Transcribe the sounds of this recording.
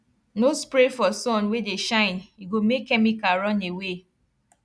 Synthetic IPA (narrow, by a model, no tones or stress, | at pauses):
nospɾefɔsɔ̃nwedeʃãɪ̃niɡomekːɛmikaɹɔ̃newe